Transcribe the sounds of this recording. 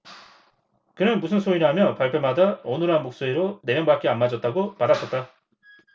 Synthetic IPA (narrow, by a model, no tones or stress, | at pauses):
kɯnɯnmusʰɯnsʰoiɾɦamjʌpaɭpʰemadaʌnɯɾɦanmok̚s͈oiɾoneɾjʌŋbak͈eanmad͡ʑʌt̚t͈aɡopadas͈ʌt̚t͈a